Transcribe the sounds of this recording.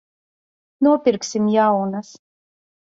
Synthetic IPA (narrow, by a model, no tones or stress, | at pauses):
nuɔpʲiɾksʲimjawnas